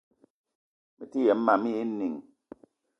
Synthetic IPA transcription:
mi˨ti˦jɛ˨m̩˦ma˨mi˦ji˦n˦ni˨ŋ

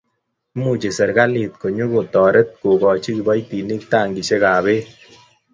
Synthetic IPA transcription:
mu˦˨t͡ʃe˨sɛ˨ɾka˦li˨t̪̚ko˨ɲo˦ko˨tɔ˨ɾe˦t̪̚ko˨kɔ˨t͡ʃi˦ki˨bɔ˦jti˨ni˦k̚ta˦˨ŋɡi˨ʃe˦kaː˨be˦

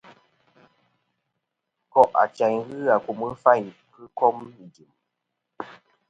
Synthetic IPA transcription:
kɔ˨ʔa̰˨t͡ʃa˨ɲɣɨ˦a˨ku˨mɨ˦fa˦˨kɨ˦kɔ˦m˨ɡi˨m

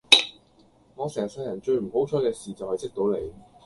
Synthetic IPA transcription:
ŋɔː˨˧sɛː˨˩sɐ˧jɐ˨˩nt͡ʃɵ˧ɥm̩˨˩ho˨˥wt͡ʃʰɔː˨˥kɛː˧siː˨˩t͡sɐ˨whɐ˨jsɪ˥k̚t̪o˨˥wle˨˧j

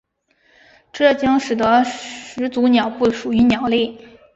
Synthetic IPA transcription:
ʈ͡ʂɤ˥˩t͡ɕjɑ˥ŋʂɻ̩˨˩d̪ə˧˥ʂɻ̩˧˥t͡su˧˥njɑ˨˩ʊpu˥˩ʂu˨˩y˧˥njɑ˨˩ʊli˥˩

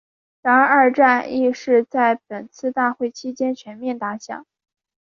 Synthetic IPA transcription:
t̪ɑ˧˥ŋə˞˥˧ʈ͡ʂa˥˧ni˥˧ʂɻ̩˥˧t͡sa˥˩ɪpə˨˩nt͡sʰɹ̩˥˧t̪a˥˧xwe˥˩ɪt͡ɕʰi˥t͡ɕjɛ˥nt͡ɕʰɥɛ˧˥nmjɛ˥˩nt̪a˥ɕjɑ̰˨˩˦ŋ

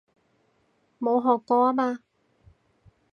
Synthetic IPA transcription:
mo˨˧wɦɔː˨˩kːɔː˧aː˦˥maː˧

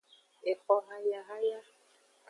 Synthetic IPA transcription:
e˨kɔ˦ɦa˦ja˦ɦa˦ja˦

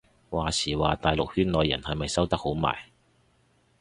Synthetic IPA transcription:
waː˨siː˨˩waː˨t̪aː˨jlʊ˨k̚hyː˥nlɔː˨˧jːɐ̰˨˩nhɐ˨jmɐ˨jsɐ˥wt̪ɐ˥k̚ho˨˥wma̰ː˨˩j

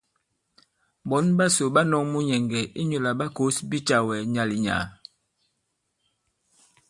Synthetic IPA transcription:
bɔ˨˦nba˦so˨ɓa˦nɔ˦ŋmu˦ɲɛ˨ŋɡɛ˨ʔi˦ɲo˨la˨ɓa˦ko˦sbi˦t͡ʃa˨wɛ˨ɲa˨li˨ɲa̰˨

